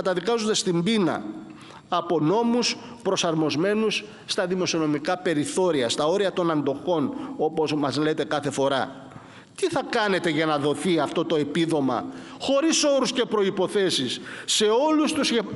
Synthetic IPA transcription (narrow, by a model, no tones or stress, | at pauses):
ɐt̪ɐðikɐzond̪e̞st̪imbinɐ̰ | ɐpo̞no̞muspɾo̞sɐɾmo̞zme̞nusː | t̪ɐðimo̞sio̞no̞mikɐpe̞ɾiθo̞ɾiɐst̪ɐo̞ɾiɐt̪o̞nɐnd̪o̞xo̞no̞po̞smɐzle̞t̪e̞kɐθe̞fo̞ɾɐ | t̪iθɐkɐne̞t̪e̞ʝɐnɐðo̞θiɐft̪o̞t̪o̞e̞piðo̞mɐ̰ | xo̞ɾiso̞ɾusce̞pɾo̞ipo̞θe̞sisːe̞o̞lust̪uze